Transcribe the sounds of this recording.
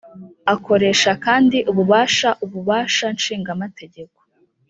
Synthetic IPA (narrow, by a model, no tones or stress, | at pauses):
ako̞ɾe̞ːʃakaːndiʔuβuβaːʃaʔuβuβaːʃanʃiːŋɡamate̞ɟe̞ko̥